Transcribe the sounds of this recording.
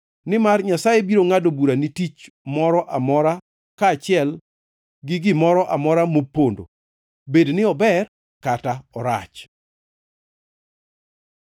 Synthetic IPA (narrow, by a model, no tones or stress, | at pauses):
nɪmarɲasajebiɾoŋadobuɾanɪtit͡ʃ | mɔɾɔʔamɔɾa | kaːt͡ʃɪɛl | ɡɪɡɪmɔɾɔʔamɔɾamopːondo̰ | bednɪɔbɛr | kataɔɾa̰t͡ʃ